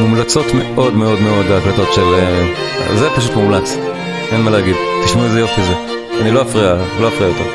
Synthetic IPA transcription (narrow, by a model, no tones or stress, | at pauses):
mumlat͡so̞tme̞ʔo̞dme̞o̞dme̞o̞d̪beaklato̞tʃelḛ | zepaʃut̪mumlat͡s | enmaleaɡid̪t̪iʃmuezejotkaze | anilo̞afʁialo̞afʁijajotḛʁ